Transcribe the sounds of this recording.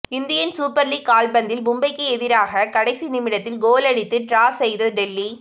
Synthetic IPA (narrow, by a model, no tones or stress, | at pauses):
ɪnd̪ɪjɐnsuːpːɐɾlikaːlbɐnd̪ɪlbʊmbɐɪkːɯɛðɪɾaːɣɐkɐɽɐɪsinɪmɪɽɐt̪ːɪlɡoːlɐɽɪt̪ːɯʈɾaːsɛjðɐɯɖɛlːi